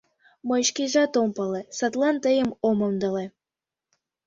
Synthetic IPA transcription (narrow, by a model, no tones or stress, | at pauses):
məjʃkiʒɑt̪ompɑlesɑt̪lɑnt̪əjəmomɤmd̪əle